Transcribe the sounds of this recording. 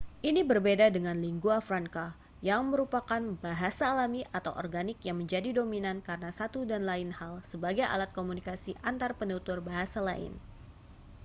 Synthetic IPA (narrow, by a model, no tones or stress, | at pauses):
ʔinibərbedadəŋanliŋɡuafɾaŋka | jaŋməɾupakanbaɦasaːlamiʔat̪awʔɔ̰rɡanɪkjaŋməɲd͡ʒadidominankaɾənasat̪udanlaɪnhalsəbaɡajʔa̰lat̪̚komunikasiʔant̪arpənut̪urbaɦasalaɪ̰n